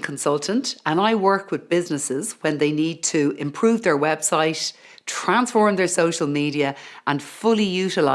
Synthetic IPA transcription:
kʰə̃nsʌlˠtʰə̃ntə̃naɪwɜ˞kwɪðbɪznɪsɪz̥wə̃nðeɪniːd̚tʰəɪ̃mpʰɹ̥ʉːvðə˞wɛb̥saɪt | tʰɹ̥ãnsfɔɹmðə˞soʊʃəlˠmiːɾiəʔə̃nfʊlijʉːɾɪla

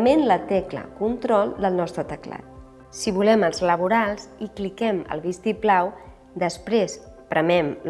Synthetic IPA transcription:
menlət̪ɛklə̰kunt̪ɾɔlˠd̪əlˠnɔst̪ɾət̪əkla̰t̪̚ | siβulɛməlˠzləβ̞uɾalˠziklikɛmə̰lˠβist̪iplaw | d̪əspɾespɾʔəmɛml

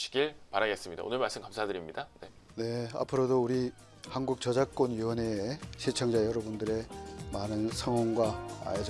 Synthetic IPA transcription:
ɕʰi̥ɡiɭpaɾaɡe̞s͈ɯmɲida̰o̰nɯɭmaɭs͈ɯmkamsʰadɯɾimɲidane̞ | ne̞a̰pʰɯɾodouɾi | hanɡuk̚t͡ɕʌd͡ʑak̚k͈onɥiwʌne̞ɕʰit͡ɕʰʌŋd͡ʑajʌɾʌbundɯɾe̞manɯnsʰʌŋwʌŋɡwaa̰jd͡ʑ

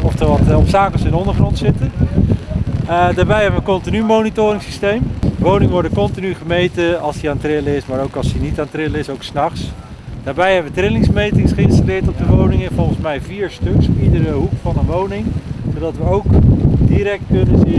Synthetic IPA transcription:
ɔftəʋɑtɔpsaːkəlˠsɪnəɔndəɹχrɔntsɪtə | daːɹbɛjɦɛbənʋəkɔntinymownitoːrɪŋsistejmʋownɪŋəʋɔɹdəkɔntinyχəmejtəɑlˠsdiaːntrɪləɪsmaːɾowkɑlˠsdinitaːntrɪləɪsowksnɑχs | d̥aːɹbɛjɦɛbəʋətrɪlɪŋsmejtɪŋsχəɪnstalɪːɹtɔb̚dəʋownɪŋɛnvɔlˠχənsmɛjviːɹstøksidəɾəɦukfɑnənʋownɪŋsodɑtʋəowkdiɾɛk̚tkɵnəzi

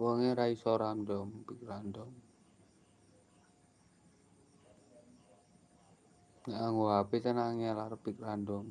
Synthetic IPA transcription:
wɔŋeɾaisɔɾandɔmpik̚randɔm | ɲaʔaŋoɦapet̪anaŋalarpik̚randɔm

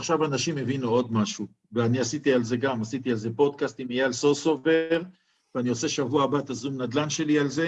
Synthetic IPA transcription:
aχʃavanaʃimːe̞vinuo̞d̪maʃu | veaniasit̪ialze̞ɡamasit̪ialze̞po̞d̪̚kast̪imijealsosoveʁ | veanioseʃavuaːbat̪azumnad̪lanʃe̞lialze

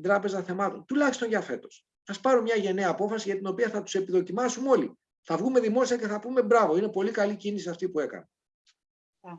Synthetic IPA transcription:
d̪ɾɐpe̞zɐθe̞mɐt̪o̞̰nt̪ulɐçist̪o̞nʝɐfe̞t̪o̞̥s | sɐspɐɾomɲɐʝe̞neɐːpo̞fɐsiʝɐt̪ino̞piɐθɐt̪u̥se̞piðo̞cimɐsumo̞li | θɐvɣume̞ðimo̞siɐceθɐpume̞bɾɐvo̞ine̞po̞likɐlicinisiɐft̪ipue̞kɐ̰ne

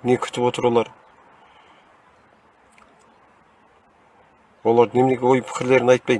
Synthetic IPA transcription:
ne̞kʲʰʏ̥t̪ɪpwo̞t̪əɾwo̞lˠɑɾ | wo̞lˠɑɾne̞mɪne̞ɡʲewo̞jpʰɪ̥kʲɪɾle̞ɾɪnɑjt̪̚pɑj

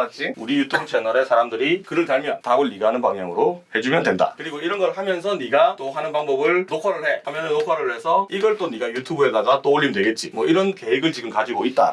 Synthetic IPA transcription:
at͡ɕ͈ʰiuɾijutʰoŋt͡ɕʰenʌɾe̞sʰaɾamdɯɾikɯɾɯɭtaɭmjʌntaɡoɭːiɡɦanɯnpaŋɦjaŋɯɾohe̞d͡ʑumjʌndwe̞nda̰kɯɾiɡoiɾʌnɡʌɭhamjʌnsʰʌniɡat͈oɦanɯnpaŋbʌbɯɭnokʰaɾɯɭɦe̞hamjʌnɯnːokʰaɾɯɭɦe̞sʰʌiɡʌɭt͈oniɡajutʰubuedaɡat͈ooɭːimdwe̞ɡe̞t̚t͡ɕ͈imwʌiɾʌnke̞ɦeɡɯɭt͡ɕiɡɯmkad͡ʑiɡoit̚t͈a̰

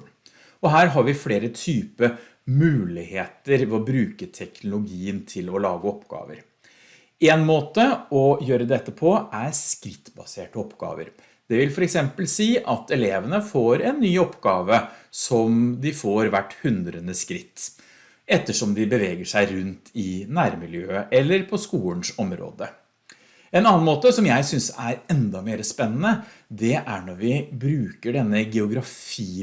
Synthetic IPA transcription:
ɔɦæːɾɦɑɾʋɪfleːɾət̪ʰyːpə | mʉːlɪheːt̪əɾʋɛɔbɾʉːkət̪ʰɛknʊlʊɡiːənt̪ʰɪlɔlɑːɡəɔpːɡ̥ɑ̰ːʋə̰ɾ | eːnmoːt̪əɔjøːɾəd̪ɛt̪ːəpʰɔʔæɾskɾɪt̪ːbɑ̰seːʈəɔpːɡɑ̰ːʋə̰ɾ | d̪̥ɛʋɪlfɔɾɛksɛmpəlsiːʔɑt̪ɛleːʋənəfoːɾɛnːyːɔpːɡɑːʋəsɔmd̪ɪfoːɾʋæʈːhʉnd̪ɾənəskɾɪt̪ː | ɛt̪ːəʂɔmd̪ɪbəʋeːɡəʂæɪɾʉnt̪ʰɪnæːɾmɪljøːəʔɛlːəɾpʰɔskuːlənʂɔmɾo̰ːd̪ə | ɛnɑːɑnmoːt̪əsɔmjæɪsʏnsæɾɛnd̪ɑmeːɾəspɛnːənə | d̪ɛʔæɳɔɾʋɪbɾʉːkəɖɛnːəɡɛʊɡɾɑfiː

